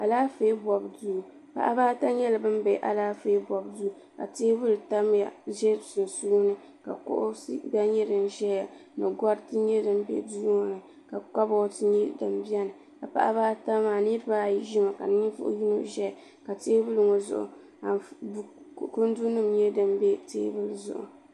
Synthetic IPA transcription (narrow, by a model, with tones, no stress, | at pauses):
ʔa˨laː˦feː˦bɔ˨bduː˦˨ | pa̰˨ʔa̰˦baː˦ta˦ɲɛ˦la˨bɨ˦m˦bɛ˨ʔa̰˨laː˦feː˦bɔ˨bdu˦ | ka̰˨teː˦bɨ˦lɨ˨ta˦m˦ja̰˨ʒɛ˦˨su˨n˨su˦nɨ˨ | ka̰˨kʊ̰˦ʔʊ˦sba˦ɲɛ˦dɨ˨nʒɛ˦ja˨nɨ˨ɡɔ˦ɾtɨ˦ɲɛ˦dɨ˨m˦bɛ̰˨duː˦ŋo˦nɨ˨ | ka˨ka˦bɔ˦tɨ˦ɲɛ˦dɨ˨m˦bi˦a˦nɨ˨ | ka˨pa̰˦ʔa˦baː˦ta˦maː˨ni˦ɾɨ˦baː˦˨ji˦ʒi˦ma˨ka˨nɨ˦ɲi˦fʊ̰˦ʔʊ̰˦ji˦no̰˦ʒɛ˦a˨ | ka˨teː˦bɨ˦lɨ˨ŋo˨zʊ̰˨ʔʊ̰˨ | a˨˦˨ | kʊ˦n˦du˦nɨ˦mɲɛ˦dɨ˦mbɛ˦tḛː˦bɨ˦lzʊ̰˨ʔʊ̰˨